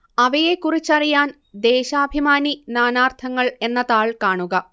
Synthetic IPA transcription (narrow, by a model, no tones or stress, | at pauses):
ɐʋɐjekːurit͡ɕːɐrijaːn | d̪e̞ːɕaːbʱimaːninaːnaːrt̪ʰɐŋːɐɭe̞nːɐðaːɭkaːɳuɣɐ